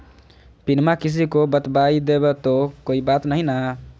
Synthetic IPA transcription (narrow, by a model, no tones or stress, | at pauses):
pinmakis̬ikobət̪baid̪ebet̪okoːibat̪nəɦĩna